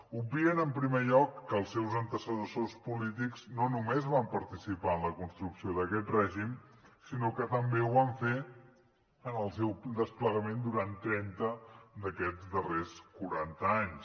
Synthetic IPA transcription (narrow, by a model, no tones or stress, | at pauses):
ubiənəmpɾimeʎɔkːəːlˠsɛwzənt̪əsəðəsospulit̪ikz̥nonumezβampəɾt̪isipaənləkunst̪ɾuksioðəkɛt̪rɛʒim | sinokət̪əmbeuβaɱfe | ənəlˠsɛwd̪əspləɣəmend̪uɾant̪ɾɛnt̪əd̪əkɛd͡zd̪əreskuɾant̪əaɲs